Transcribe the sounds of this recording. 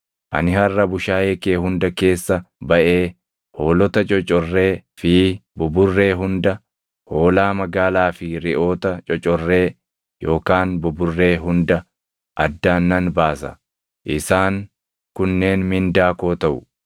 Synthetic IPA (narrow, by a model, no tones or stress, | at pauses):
ʔɐ̰nɪhɐrːɐbʊʃaːjeːkeːhʊnd̪ɐke̞ːsːɐbɐʔe̞ː | ho̞ːlɔt̪ɐt͡ʃʼɔt͡ʃʼɔrːe̞ːfiːbʊbʊrːe̞ːɦʊnd̪ɐ | ho̞ːlaːmɐɡaːlaːfɪɾɪʔo̞ːt̪ɐt͡ʃʼɔt͡ʃʼɔrːe̞ː | jo̞ːkaːnbʊbʊrːe̞ːɦʊnd̪ɐ | ʔɐd̪ːaːnːɐnbaːsɐ̰ | ʔɪsaːŋ | kʊnːe̞ːnmɪnd̪aːko̞ːt̪ɐʔʊ